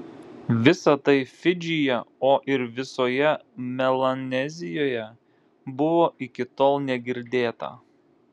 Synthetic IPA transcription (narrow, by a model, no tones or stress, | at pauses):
ʋʲɪsɐt̪ɐɪfʲɪd͡ʒʲɪjɛoːʔɪɾʋʲɪsoːjɛmʲɛlˠɐnʲɛzʲɪjoːjɛ | bʊʋoːʔɪkʲɪt̪oːlˠnʲɛɡʲɪɾʲd̪ʲeːt̪ɐ̰